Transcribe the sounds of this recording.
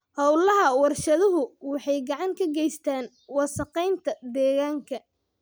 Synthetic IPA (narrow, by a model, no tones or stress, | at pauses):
hɔwlɐɦɐwɑrʃɐðʊɦʊwɑħɑjɡɑʕɑŋkʰɐɡɛjst̪ʰaːn | wɑsɐqɛjnt̪ʰɐd̪ɛːɣaːŋkʰɐ